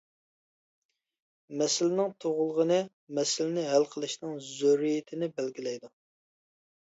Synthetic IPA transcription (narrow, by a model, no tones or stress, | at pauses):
mɛsɪlɪnɪŋt̪ʰoʁʊlˠəʁənɨ | mɛsɪlɪnɪɦælqʰəlˠɨʃnɨŋzoɾijɪt̪ʰɪnɪbælɡʲilɛjd̪u